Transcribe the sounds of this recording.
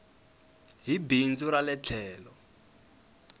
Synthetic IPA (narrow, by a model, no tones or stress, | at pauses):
ɦibind͡zuɾalɛt͡ɬʰɛːlɔ